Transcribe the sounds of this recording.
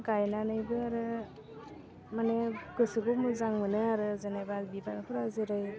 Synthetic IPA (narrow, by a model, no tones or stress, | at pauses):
ɡajnanɯjbɯaɾɯ | manɯkɯsɯɡomɯzaŋmɯnɯaɾɯzanabadbibankʰuɾazɯɾɯj